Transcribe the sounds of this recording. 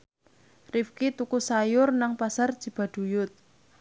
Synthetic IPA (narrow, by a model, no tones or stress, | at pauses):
rifkit̪ukusajʊrnaŋpasard̥ʒ̥i̤b̥a̤d̪̥ṳjʊt̪̚